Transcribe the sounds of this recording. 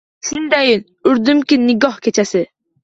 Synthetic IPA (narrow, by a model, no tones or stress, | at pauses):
sɪnd̪æjin | yɾd̪ymkʲinːɪɡɑhkʲʰet͡ʃʰɛsɪ